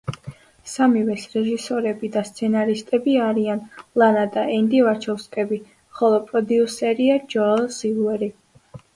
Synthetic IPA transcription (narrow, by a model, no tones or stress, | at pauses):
samivɛsɾɛʒisɔɾɛbid̪ast̪sʰɛnaɾist̪ʼɛbiaɾianlˠanad̪aɛnd̪ivaɾt͡ʃʰɔfskʼɛbi | χɔlˠɔpʼɾɔd̪iusɛɾiad͡ʒɔzilˠuɛɾi